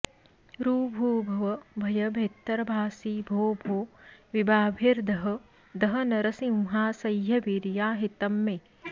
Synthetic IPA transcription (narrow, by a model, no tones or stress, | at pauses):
ɾuːbʱuːbʱɐʋɐbʱɐjɐbʱeːt̪ːɐɾɐbʱaːsiːbʱoːbʱoːʋibaːbʱiɾd̪ɐɦɐ̆ | d̪ɐɦɐ̆nɐɾɐsimɦaːsɐjɦɐʋiɾjaːɦit̪ɐmːeː